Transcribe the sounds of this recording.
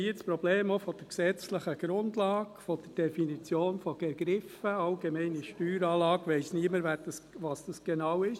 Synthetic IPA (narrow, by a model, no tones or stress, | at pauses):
iɪspɾɔb̥leːmofɔd̪̥əɾksɛt͡sləχəɡ̥ɾʊndlɑːɡfɔd̥əd̥ɛfinit͡sjoːnfɔɡ̥ɛɡɾɪfəɑlɡemɛɪniʃtyːɾɑːlɑːɡʋɛɪsniəməɾvɛd̥ɑsʋɑsd̥ɑsɡ̥enɑwɪʃ